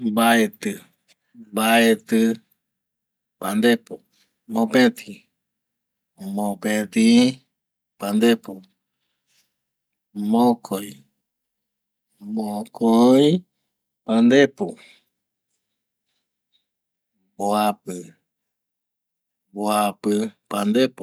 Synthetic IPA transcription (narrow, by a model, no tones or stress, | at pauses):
baet̪ɨ | baet̪ɨ | pand̪epo | mõpẽt̪ʰĩ | mõpẽt̪ĩ | pand̪epu | mõkʰoi | mõkʰoĩ | pand̪epu | boapɨ | boapɨpand̪epu